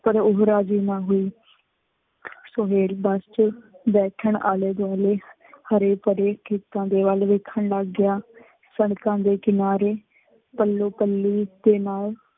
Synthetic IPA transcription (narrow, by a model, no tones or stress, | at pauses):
pəɾʊɦɾaːd͡ʒiːnãːɦoːiː | soːɦeːlbəst͡ʃb̪ɛːkʰəɳa̰ːleːd̪aːleː | həɾeːpəɾeːkʰeːt̪ãːd̪eːʋəlʋekʰːəɳlaɡːɪjaː | səɽkãːd̪eːkɪnaːɾeː | pəlːoːpəlːiːd̪eːnaːl